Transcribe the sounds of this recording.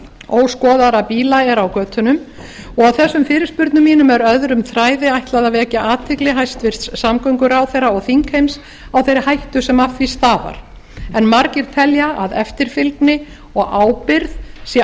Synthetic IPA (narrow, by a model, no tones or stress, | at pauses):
owskɔːðaɾapiːlaɛɾawkœːt̪ʰʏnʏm | ɔɣawθɛsːʏmfɪːɾɪɾ̥spʏɾt̪nʏmiːnʏmɛɾœðɾʏmθɾaːjðɪajht̪laðavɛcaʔaːt̪ʰɪklɪɦajst̪vɪr̥t̪ssamkœɥŋkʏɾawθɛrːaɔɣθiŋkhejms | awθejɾɪhajht̪ʏsɛmafvist̪aːva̰ɾ̥ | ɛnmaɾcɪɾ̥t̪ʰɛljaʔaðɛ̰ft̪ɪɾ̥fɪlk̪nɪ | ɔɣaːwpɪɾðsjɛ